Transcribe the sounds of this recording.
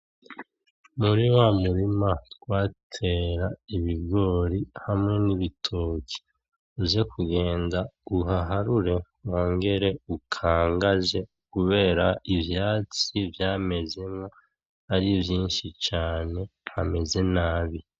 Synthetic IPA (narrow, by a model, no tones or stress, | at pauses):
muɾiwamuɾimaɡ̥waːtʰe̞ɾaiβibɡo̞ːɾihamŋe̞niβitʰoːki̥ | uze̞kʰuɡe̞ːndauɦaɦaɾuɾe̞ | woːŋɡe̞ɾe̞ukʰaːŋɡaze̞ | kuβe̞ːɾaʔivjaːt͡sivjaːme̞ze̞mŋo̞ | aɾivjiːnʃit͡ʃaːne̞hame̞ze̞naːβi